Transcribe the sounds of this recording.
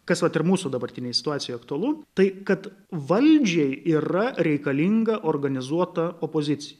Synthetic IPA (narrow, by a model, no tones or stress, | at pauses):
kɐsʋɐt̪ɪrmuːsuːd̪ɐbɐrʲt̪ʲɪnʲeːjsʲɪ̥t̪ʊɑːtsʲɪjojːɐk̚t̪ʊɐlˠuːt̪ɐɪkɐt̪ | ʋɐlʲd͡ʒʲɛɪiːɾɐɾʲɛɪkɐlʲiŋɡɐʔorɡɐnʲɪzuɔt̪ɐoːpoːzʲɪt̪sʲɪjɛ